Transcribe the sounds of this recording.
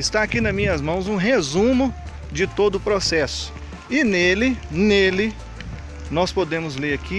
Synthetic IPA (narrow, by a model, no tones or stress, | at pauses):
ɪst̪aːkinɐzmĩɲɐzmɐ̃w̃zũɦezũmʊ | d͡ʒɪt̪od̪ʊːpɾosɛsʊ̥ | ɪnelɪnelɪ | nɔspod̪ẽmʊzleɾakʰi